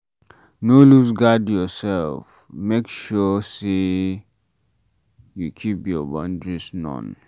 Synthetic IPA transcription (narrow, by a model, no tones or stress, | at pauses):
nolusɡadjɔsɛlf | mekʃɔse | jukʰipjɔbãndɹisnɔ̰̃n